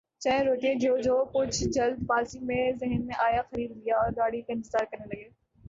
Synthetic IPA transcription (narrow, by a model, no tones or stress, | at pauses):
t͡ɕɐ̃ɾoːʈijẽd͡ʑiod͡ʑoːkʊd͡ʑʱd͡ʒɐld̪paːlsimẽzɪɦənmẽʔaːjaxɐɾiːd̪lijaɔːɾɡaːɽ̤ikɪ̃nt̪ɪzaːɾkɐnelɐɡeː